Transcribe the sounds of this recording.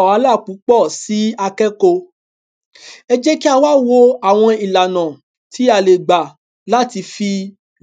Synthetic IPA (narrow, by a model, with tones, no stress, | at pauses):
a˨˧˦la˦˨k͡pu˨˦k͡pɔ˦˨si˨˦a˧kɛ˦ko˧ | ɛ˧d͡ʒɛ˦ki˦a˧wa˦wo˦a˦˨w̃ɔ̃˧i˨la˨nã˨ | ti˨˦a˧˨le˨ɡ͡ba˨ | la˦ti˧fi˧